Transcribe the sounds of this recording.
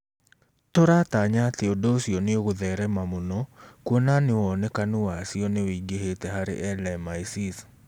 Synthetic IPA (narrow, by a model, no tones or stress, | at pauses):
toɾataɲat̪eɔdosiɔneoɣoðɛɾɛmamonɔkwɔnanewɔnɛkanuwasiɔnewiɡehetɛɦaɾḛʔɛlɛmaisis